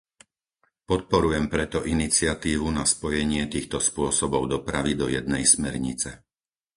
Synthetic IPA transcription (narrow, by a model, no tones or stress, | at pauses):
pɔt̪̚pɔɾujɛmpɾɛt̪ɔʔinit͡sɪat̪iːʋunaspɔjɛɲɪɛt̪iːxt̪ɔspʊɔsɔbɔʊd̪ɔpɾaʋid̪ɔjɛd̪̚nɛjsmɛɾɲit͡sɛ